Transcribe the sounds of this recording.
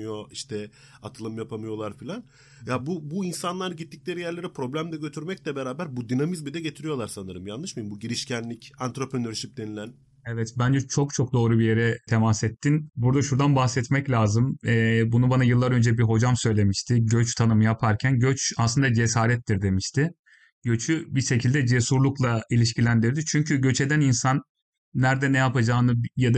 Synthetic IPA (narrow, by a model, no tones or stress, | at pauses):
joiʃt̪ʰɛ | at̪ʰɯlˠɯmjapʰamɯjo̞lˠaɾfilʲan | jabubuinsanlˠaɾɯɟit̪ːic̚lʲe̞ɾijæɾlʲe̞ɾipʰɾo̞blʲæmd̪ɛɟø̞t̪ʰyɾmɛc̚lʲɛbeɾaːbæɾbud̪inamizbid̪ɛɟe̞t̪ʰiɾijo̞lˠaɾsanɯɾɯmjanˠːɯʃmajimbuɟiɾiʃcʰænlʲicant̪ɾopɾenøɾʃip̚d̪e̞nilʲæn | evɛt̪bænd͡ʒɛt͡ʃʰo̞kt͡ʃʰo̞k̚d̪o̞ːɾubije̞ɾɛt̪ʰe̞masɛt̪ːinbuɾd̪aʃuɾd̪anbaxsɛt̪mɛclʲaːzɯmɛbunubanajɯlˠːaɾø̞nd͡ʒɛbiɦo̞d͡ʒamsø̞jlʲe̞miʃt̪ʰɪɟøt͡ʃt̪ʰanɯmɯjapʰaɾcʰænɟøt͡ʃaslˠɯnd̪ad͡ʒe̞saːɾɛt̪ːiɾd̪e̞miʃt̪ʰɪ | ɟø̞t͡ʃʰybiʃe̞cʰilʲd̪ɛd͡ʒe̞suɾlˠuklˠailʲiʃcilʲænd̪iɾd̪it͡ʃʰyɲcʰyɟø̞t͡ʃʰe̞d̪æninsanː | æɾd̪ɛnɛjapad͡ʒaːnɯjad̪a